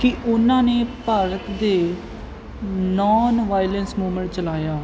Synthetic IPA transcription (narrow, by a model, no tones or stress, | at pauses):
kɪʊnãːneːpəɾət̪d̪eː | nɔːnʋaːjlənsmuːmə̃ɳʈ̚t͡ʃəlaːjaː